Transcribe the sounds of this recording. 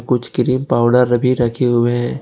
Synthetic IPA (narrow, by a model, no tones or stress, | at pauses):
kʊt͡ʃʰkɪɾiːmpaːʊɖəɾːɐbʱiɾɐkʰeɦʊeɦɛ̃ː